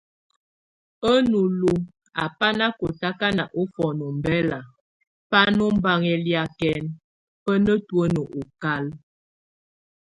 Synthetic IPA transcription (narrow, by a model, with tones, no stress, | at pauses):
ə˦nu˨lu˨ | a˨pa˦na˦ko˨ta˦ka˦na˨ʔo˦fɔ˨no˨m̩˨bɛ˦la˨ | pa˦no˦m̩˦ba˦ŋɛ˨lja˨kɛ˨n | pə˦nə˦twə˦nə˨ʔo˨ka˦l